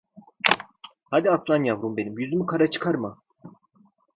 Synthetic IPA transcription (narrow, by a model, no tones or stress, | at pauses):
had̪iaslˠanjavɾumbenimjyzymykʰaɾat͡ʃʰɯ̥kʰaɾmɯ